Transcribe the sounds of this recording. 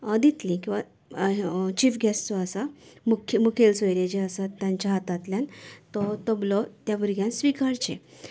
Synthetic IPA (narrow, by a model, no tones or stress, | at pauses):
əd̪it̪lĩkĩʋa | t͡ɕifɡʱɛst̪ɔəsamukʰmukʰelsɔjɾed͡ʑeəsat̪ːjãɲt͡ɕaɦat̪at̪ljãnt̪ɔt̪əblɔt̪jabəɾɡʱjãnsʋikaɾt͡ɕḛ